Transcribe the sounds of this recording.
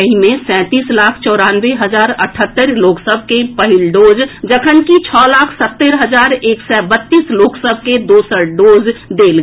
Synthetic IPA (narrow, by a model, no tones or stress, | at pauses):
ɦimẽsɛ̃ːt̪iːslaːkʰt͡ʃɔːɾaːnweɦəd͡ʒaːɾə̰ʈʰət̪ːəɾloːksəbʱkepəɦɪlɖoːd͡ʒd͡ʒəkʰənkit͡ʃʰɔːlaːkʰsət̪ːəɾɦəd͡ʒaːɾeːksɛbət̪ːiːsloːksəbʱked̪oːsəɖoːd͡ʒd̪eːl